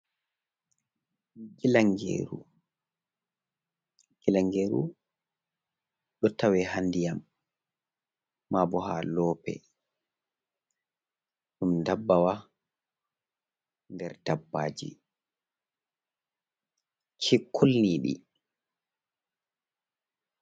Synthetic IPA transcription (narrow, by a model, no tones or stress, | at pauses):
ɡilaŋɡḛːɾṵ | ɡ̥ilaŋɡeːɾṵ | ɗɔtawɛhandijam | aːbɔha̰lɔːpɛ̰ | ɗumdabːawa | ndɛɾd̥abːaːd͡ʒḭ | kʰikʰːulniɗḭ